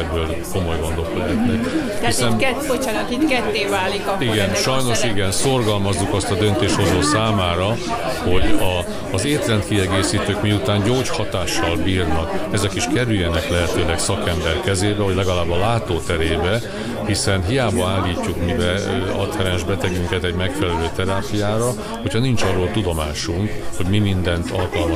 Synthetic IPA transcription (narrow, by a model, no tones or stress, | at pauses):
ɛbːøːl | ko̞mo̞jɡo̞nd̪o̞klɛɦɛt̪nɛk | hisɛnot͡ʃːnkit̪kɛt̪ːeːvaːlikiɡɛnʃɒjno̞ʃiɡɛnso̞rɡɒlmɒzːukɒst̪ɒd̪ø̞nt̪eːʃho̞zoːsaːmaːɾɒ | ho̞ɟɒː | zeːt̪lɛnt̪̚kiɛɡeːsiːt̪øːkmiut̪aːɲɟoːt͡ʃhɒt̪aːʃːɒlbiːrnɒkɛzɛkiʃkɛɾyjːɛnɛklɛɦɛt̪øːlɛksɒkɛmbɛrkɛzeːbɛɦoɟlɛɡɒlaːbːɒlaːt̪oːt̪ɛɾeːbɛ | hisɛnɦijaːbɒaːlːiːcːukmibɛɒt̪hɛɾɛnʒbɛt̪ɛɡyŋkɛt̪ɛɟmɛkfɛlɛløːt̪ɛɾaːpijaːɾɒ | ho̞cʰhɒnint͡ʃɒrːoːlt̪ud̪o̞maːʃuŋkho̞ɟmimind̪ɛnt̪ʰɒlkɒlmɒ